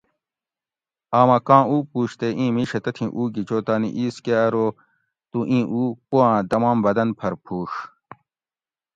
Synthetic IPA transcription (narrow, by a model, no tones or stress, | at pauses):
aːmɐkãːuːpuːɕt̪eʔĩːmiːʂɐt̪ɐt̪ʰĩʔuːɡit͡ɕoːt̪aːnḭʔiːskeɐɾoː | t̪uʔĩːʔuːpuãːd̪ɐmãːmbɐd̪ɐnpʰɐɾpʰuːʂ